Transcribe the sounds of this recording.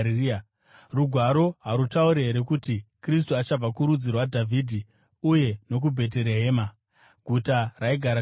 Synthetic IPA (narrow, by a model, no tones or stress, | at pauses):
ruɡʱwaɾo̞ɦaɾutauɾeɦeɾekutikris̬tuat͡ʃab͡vakuɾud͡zirwadʱavʱidʱi | uje̞no̞k̬ubʱe̞t̬eɾe̞ɦeːma | ɡʱutaraiɡʱaɾa